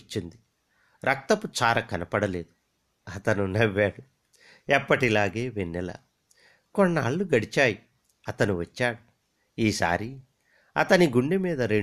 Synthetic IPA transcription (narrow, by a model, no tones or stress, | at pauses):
t͡ʃːind̪i | ɾɐk̚t̪ɐput͡ʃaːɾɐkɐnɐpɐɽɐle̞ːd̪u | ɐt̪ɐnunɐʋːaːɽu | ɛpːɐʈilaːɡeːʋenːɛlɐ̰ | konːɐaːɭːuɡɐɽit͡ʃaːji | ɐt̪ɐnuʋɐt͡ʃːaːɽu | iːsa̰ːɾi | ɐt̪ɐniɡuɳɖimiːd̪ɐɾe